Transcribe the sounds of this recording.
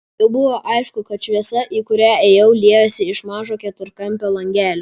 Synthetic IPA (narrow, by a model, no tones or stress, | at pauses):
ɪbʊʋoːʔɐɪʃkʊkɐt̪ʃʲʋʲiɛsɐʔiːkʊɾʲæːeːjɛʊlʲiɛjoːsʲɪɪʃmɑːʒoːkʲɛt̪ʊɾkɐmʲpʲoːlˠɐŋʲɡʲæːlʲo